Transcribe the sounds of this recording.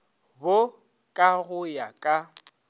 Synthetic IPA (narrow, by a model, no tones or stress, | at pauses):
bo | kʼaɣʊjakʼa